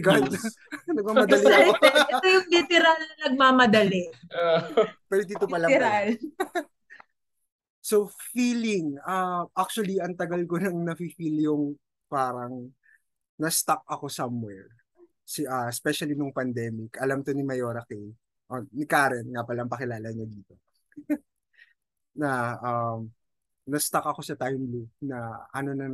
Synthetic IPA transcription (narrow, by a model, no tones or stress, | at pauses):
ɡal | nɐɡ̚maːmɐd̪ɐliɛt̪ojʊŋlit̪ɪɾalɐnɐɡ̚maːmɐd̪ɐlɛ | pɛɾod̪iːt̪opɐlɐal | sofiːlɪŋaʔak̚t͡ʃuwɐliɐŋt̪ɐɡɐlkonɐŋnɐfifiːljʊŋ | paːɾɐŋ | nɐst̪ak̚ʔɐko̞sɐmwɛɹ | siʔaspɛʃɐlinʊŋpɐnd̪ɛːmɪkɐlamk̪onɪmɐjo̞ːɾɐkɛj | ʔonɪkaːɾɛnŋapɐlɐʔɐŋpɐkɪlaːlɐɲɐd̪iːt̪o̞ | nɐʔam | nɐst̪akɐko̞sɐt̪ajmlupnɐʔɐno̞nɐ